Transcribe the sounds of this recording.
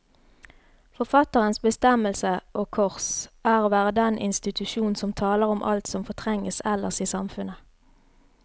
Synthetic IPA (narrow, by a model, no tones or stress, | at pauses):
fɔʁfɑt̪əʁənsbəst̪ɛməlsəʔoːkʰɔʁsæːʁoːʋæːʁəd̪ɛnʔɪ̰nst̪ɪt̪ʉʃuːn̩sɔmt̪ʰɑːləʁɔmʔɑ̰lt̪sɔmfɔʁt̪ʰʁɛŋəsɛləʁsiːsɑmfʉnə